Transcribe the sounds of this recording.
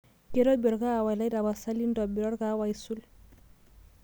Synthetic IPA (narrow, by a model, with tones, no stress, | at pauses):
keɾɔ˦bɔ˨ɾɡaː˦˨wa˨jla˦jda˨basa˦li˦ndɔ˨biɾɔ˦ɾɡawajsu˦l